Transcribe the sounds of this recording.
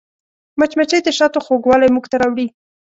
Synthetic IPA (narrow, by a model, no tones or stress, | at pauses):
mat͡ʃmat͡ʃejd̪əʃɑt̪oxoɡwɑlajmuɡt̪aɾɑwɽi